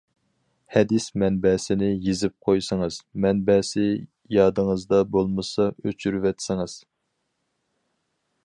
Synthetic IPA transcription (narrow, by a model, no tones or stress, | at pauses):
hɛd̪ɪsmɛnbɛːsɪnɪjizɪp̚qʰojsɨŋɨz̥mɛnbɛːsɪ | jɑːd̪ɨŋəzd̪ɑbolˠmɨsɑøt͡ʃʰyɾyvɛt̪sɪŋɨz̥